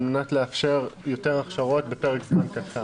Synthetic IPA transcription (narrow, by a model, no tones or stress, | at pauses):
lmenatleafʃe̞ʁjo̞te̞ʁaχʃaʁo̞t̚betoʁɡzmankata